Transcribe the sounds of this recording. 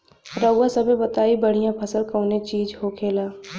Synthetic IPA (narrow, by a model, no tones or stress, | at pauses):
ɾəwːasəbʱebət̪aːibəɽ̤ijãpʰəsəlkəʊnet͡ʃiːd͡ʒɦokʰeːlaː